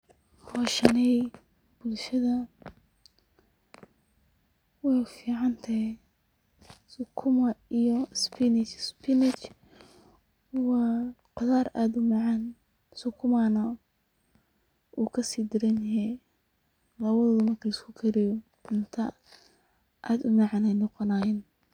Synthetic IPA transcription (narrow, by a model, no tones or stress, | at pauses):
hʰɔːʃɐnɛj | b̥ʊlʃɐðɐ | wɛfiːʕɑnt̪ʰɐɦj | sʊkʰʊmɐijɔspʰɪnɪt͡ʃspɪnɪt͡ʃ | wɑːqʊðaːraːd̪ʊmɑʕɑn | sʊkʰʊmanɐ | ʔuːkʰɐsiːd̪ɪɾɐnjɦɛ | lɐβɐðɐðʊmɐrkʰɐlɐskʰʊkʰɐɾɪjɔ | ɪnt̪ʰɐ | ʔaːd̪ʊmɑʕɑnɛjnɔqɔnaːjɛn